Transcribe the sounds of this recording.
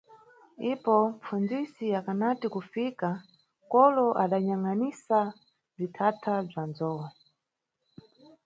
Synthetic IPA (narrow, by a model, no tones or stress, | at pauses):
ipɔmfund͡zisijakanatikufika | kɔlɔʔaɗaɲaŋanisa | b͡ʐitʰatʰab͡ʐanzɔwa